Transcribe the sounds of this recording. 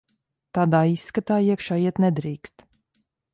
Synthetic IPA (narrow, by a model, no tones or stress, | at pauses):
t̪aːd̪aːisːkat̪aːiɛkʃaːiɛt̪nɛd̪ɾiːkst̪